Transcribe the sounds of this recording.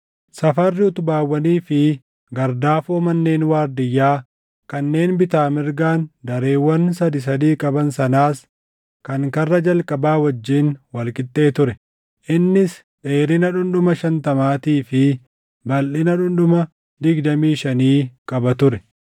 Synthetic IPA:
sɐfɐrːɪʊt̪ʊbaːwːɐniːfɪ | ɡɐɾd̪aːfoːmɐnːe̞ːnwaːɾd̪ɪjːaː | kɐnːe̞ːnbɪt̪aːmɪɾɡaːnd̪ɐɾe̞ːwːɐnsɐd̪ɪs̬ɐd̪iːkʼɐbɐnsɐnaːs | kɐŋkɐrːɐd͡ʒɐlkʼɐbaːwɐd͡ʒːiːnwɐlkʼɪt̪ːe̞ːt̪ʊɾɛ | ʔɪnːɪs | ᶑe̞ːɾɪnɐᶑʊnᶑʊmɐʃɐnt̪ɐmaːt̪iːfɪ | bɐlʔɪnɐᶑʊnᶑʊmɐ | d̪ɪɡd̪ɐmiːʃɐniːkʼɐbɐt̪ʊɾɛ

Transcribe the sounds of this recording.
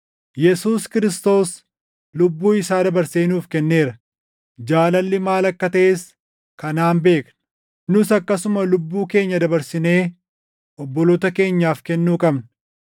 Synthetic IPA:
jɛsuːskɪɾɪst̪o̞ːs | lʊbːuːɪsaːd̪ɐbɐɾseːnuːfkɛnːe̞ːɾɐ | d͡ʒaːlɐlːɪmaːlɐkːɐt̪ɐʔes | kɐnaːnbe̞ːknʊ | nʊsɐkːɐsʊmɐlʊbːuːke̞ːɲːɐd̪ɐbɐɾsɪne̞ː | ɔbːɔloːt̪ɐke̞ːɲːaːfkɛnːuːkʼɐbn

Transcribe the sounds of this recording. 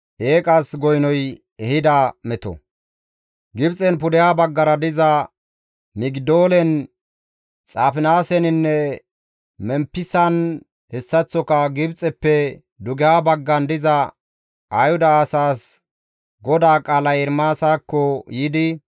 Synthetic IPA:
ʔeːkʼɐsɡɔjnɔj | ɛhɪd̪amɛt̪ɔ̰ | ɡɪbt͡sʼɛnpʊd̪ɛjaːbɐɡːɐɾɐd̪ɪzɐ | mɪɡd̪oːlɛn | t͡sʼaːfɪnaːsɛnɪnːɛ | mɛmpːɪsɐn | hɛsːɐt͡sːɔkɐɡɪbt͡sʼɛpːɛ | d̪ʊɡɪjaːbɐɡːɐnd̪ɪzɐ | ʔɐjhʊd̪ɐːsaːs | ɡɔd̪aːkʼaːlɐjɛɾmaːsaːkːɔjiːd̪ɪ

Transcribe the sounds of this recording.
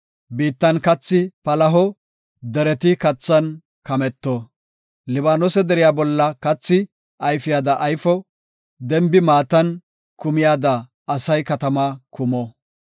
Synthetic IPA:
biːt̪ːɐnkɐt͡sːɪpɐlɐɦɔ | d̪ɛɾɛt̪ɪkɐt͡sːɐn | kɐmɛt̪ːɔ | lɪβaːnɔsɛd̪ɛɾɪjaːbɔlːɐkɐt͡sːɪ | ɐjfɪjaːd̪ɐʔːjfɔ | d̪ɛmbɪmaːt̪ɐn | kʊmɪjaːd̪ɐː | sɐjkɐt̪ɐmakʊmɔ

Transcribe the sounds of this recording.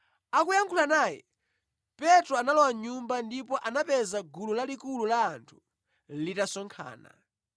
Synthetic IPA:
akujaŋkʰulanajɛ̰ | pɛtɾɔanalɔwaɲumbandipɔʔanapɛzaɡululalikululaːntʰu̥ | litasɔŋkʰa̰ːna̰

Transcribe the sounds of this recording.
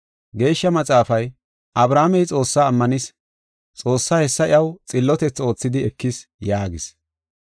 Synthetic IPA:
ɡe̞ːʃːɐmɐt͡sʼaːfɐj | ʔɐbɾaːmɛjt͡sʼo̞ːsːaːmːɐnɪs | t͡sʼo̞ːsːaːhɛsːɐɪ̰ʔɐwt͡sʼɪlːɔt̪ɛt͡sːo̞ːt͡sːɪd̪ɪɛkːɪsjaːɡɪs

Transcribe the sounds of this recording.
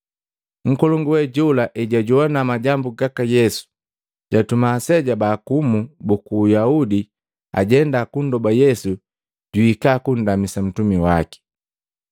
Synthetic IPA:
ŋ̩kɔlɔŋɡuwɛɟulaʔɛɟaɟuɔnamaɟambuɡakajɛsu̥ | ɟatumaːsɛɟabaːkumubukuːjaudi | a̰ɟɛndakundɔbajɛsu | ɟuikakun̩damisam̩tumiwaki̥

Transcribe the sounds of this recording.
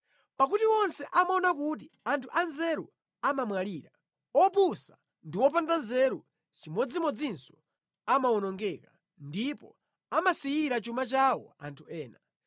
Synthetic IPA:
pak̬utiwɔnsɛʔamaɔnakut̬i | antʰuʔanzɛɾṵ | amamwaliːɾa | ɔp̬usa | ndiwɔp̬andanzɛɾu | t͡ʃimɔd͡zimɔd͡zinsɔ̥ | amaɔnɔŋɡɛka | ndipɔ̰ | amasijiɾat͡ʃumat͡ʃawɔ̰a̰ntʰuɛːna

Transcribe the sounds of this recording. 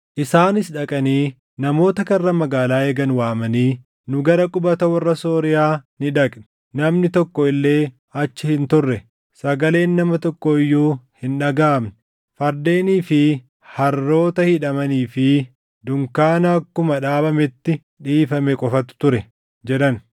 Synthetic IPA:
ʔɪsaːnɪsᶑɐkʼɐniː | nɐmo̞ːt̪ɐkɐrːɐmɐɡaːlaːeːɡɐnwaːmɐniː | nʊɡɐɾɐkʼʊbɐt̪ɐwɐrːɐso̞ːɾɪjaːnɪᶑɐkʼnɪ̥ | nɐmnɪt̪ɔkːɔɪlːe̞ː | ɐt͡ʃːɪhɪnt̪ʊrːɛ | sɐɡɐle̞ːnːɐmɐt̪ɔkːɔɪjːuːhɪnᶑɐɡaːmnɪ̥ | fɐɾd̪e̞ːniːfɪ | hɐrːo̞ːt̪ɐhɪᶑɐmɐniːfɪ | d̪ʊŋkaːnɐːkːʊmɐᶑaːbɐmɛt̪ːɪ | ᶑiːfɐmɛkʼɔfɐt̪ːʊ̥t̪ʊɾɛ | d͡ʒɛᶑɐn

